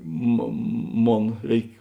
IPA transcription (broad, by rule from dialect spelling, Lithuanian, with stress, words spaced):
moː ˈmoːn ˈrʲɛɪk